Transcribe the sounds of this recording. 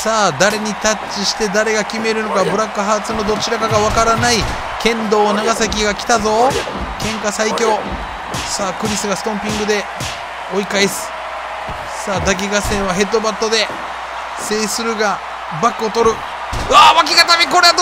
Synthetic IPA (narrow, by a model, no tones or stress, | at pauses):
saːd̪aɾe̞ɲ̟it̪at͡ɕiɕi̥t̪e̞d̪aɾe̞ɡakʲime̞ɾɯ̟no̞kabɯ̟ɾakːɯ̟ɦaːt͡sɨno̞d̪o̞t͡ɕiɾakaɡaβakaɾanai | kẽ̞nd̪o̞ːnaɡasakʲiɡakʲi̥t̪azo̞ː | kẽ̞ŋkasaikʲo̞ː | saːkɯ̟ɾʲisɨɡasɨ̥t̪õ̞mpʲĩŋɡɯ̟d̪e̞ | o̞ikaisɨ̥ | saːd̪ak̬ʲiɡasẽ̞ɰ̃βaɦe̞t̪ːobat̪ːo̞d̪e̞ | se̞ːsɨɾɯ̟ɡa | bakːɯot̪o̞ɾɯ̟ | ɯaβakʲiɡat̪amʲiko̞ɾe